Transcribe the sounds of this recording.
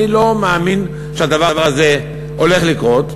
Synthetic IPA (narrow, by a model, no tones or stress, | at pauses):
ilo̞meamin | ʃead̪avavaʁaze̞ | o̞le̞χlikʁo̞t̪